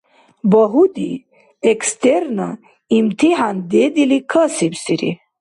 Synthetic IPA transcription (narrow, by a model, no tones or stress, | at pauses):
bɐɦud̪i | ekst̪eɾna | imt̪iɦaːnd̪ed̪ilikʰəsibsiɾḭ